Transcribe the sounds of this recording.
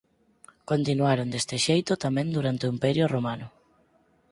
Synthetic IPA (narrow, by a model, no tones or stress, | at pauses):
kont̪inuaɾond̪est̪ɪʃejt̪ʊt̪amɛ̃nd̪uɾant̪eoimpɛɾjʊromanʊ